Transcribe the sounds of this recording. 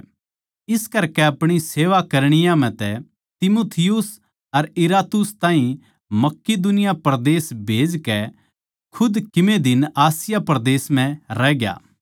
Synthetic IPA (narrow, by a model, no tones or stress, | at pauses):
ɪskɐɾkɛɐpɽ̃iseːʋakɐɾɽ̃ɪjãm̤ɛ̃t̪ɛ | t̪ɪmuːt̪ʰɪjʊs | ɐɾɪɾaːt̪ʊst̪ãːɦĩ | mɐkːid̪ʊnɪjapɾɐd̪eːsbʱeːd͡ʒkɛ | kʰʊd̪kɪmẽd̪ɪnaːsɪjapɾɐd̪eːsm̤ɛ̃ɾɛːɡja̰ː